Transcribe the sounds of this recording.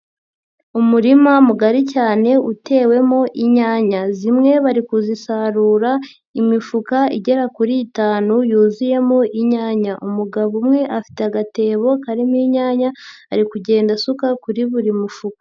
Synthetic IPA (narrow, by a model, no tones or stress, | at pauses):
umuɾimamuɡaɾicaːne̞ʔutʰe̞ːwe̞mo̞ʔiɲaːɲazimŋe̞βaɾikuzisaɾuːɾa | imifukaḭɟe̞ɾakuɾiːtaːnujuːzije̞mo̞ʔiɲaːɲaʔumuɡaβumŋe̞ʔafi̥teaɡate̞ːβo̞kaɾimiɲaːɲaː | ɾikuɟe̞ːndasukakuɾiβuɾimufukḁ